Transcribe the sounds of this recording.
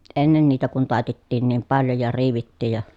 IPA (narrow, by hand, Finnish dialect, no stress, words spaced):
enːen niːtæ kun tɑˑi̯tetːiːn niːm pɑljo jɑ riːʋitːiːj jɑ